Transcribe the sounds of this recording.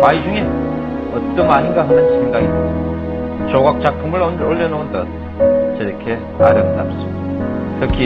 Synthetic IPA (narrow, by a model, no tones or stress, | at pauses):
kaid͡ʑuŋe | ʌt̪͈ːʌmaɲinɡaɦɯnɯnɕʰimɡaɡidɯ | t͡ɕoɡak̚t͡ɕ͈ak̚pʰumɯɭʌnoɭːenontʌt̚ | t͡ɕʌɾʌkʰe̞ | a̰ɾʌndaps͈ɯmidt̪ʰɯkʰi